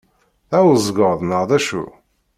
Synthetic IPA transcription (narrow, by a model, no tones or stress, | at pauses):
θæwzˤɡəɾˤðˤnəʁðæʃṵ